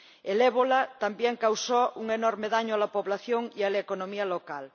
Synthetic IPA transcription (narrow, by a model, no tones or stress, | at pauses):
eleβolat̪ambjeŋkawsouŋenoɾmeðaɲoalapoβlaθjoŋialaekonõmialokal